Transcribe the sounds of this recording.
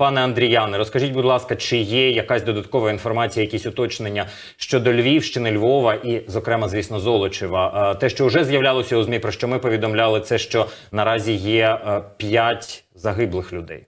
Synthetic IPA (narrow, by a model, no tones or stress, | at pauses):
pɑnɛɐnd̪ɾʲijɑnɪɾɔskɐʒit̚ʲbʊd̪ʲlˠɑskɐt͡ʃɪjɛjɐkɑsʲd̪ɔd̪ɐt̪kɔʋɐinfɔrmɑt͡sʲijɐjɐkʲisʲʊt̪ɔt͡ʃnenʲːɐ | ʃt͡ʃɔd̪ɔlʲʋʲiwʃt͡ʃɪnɪlʲʋɔʋɐʔizɔkɾɛmɐzʋʲisnɔzɔlˠɔt͡ʃɪʋɐt̪ɛʃt͡ʃɔʊʒɛzjɐʋlʲalˠɔsʲɐuzmʲipɾɔʃt͡ʃɔmɪpɔʋʲid̪ɔmlʲɑlˠɪt̪sɛʃt͡ʃɔnɐɾɑzʲijɛpʲjatʲ | zɐɦɪblˠɪxlʲʊd̪ɛ̰j